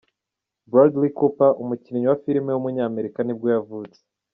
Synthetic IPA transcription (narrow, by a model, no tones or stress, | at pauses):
bɾodlikupaʔumuciniɲuwafiɾimewumuɲaːme̞ɾikanib̚ɡojavuːt͡se̥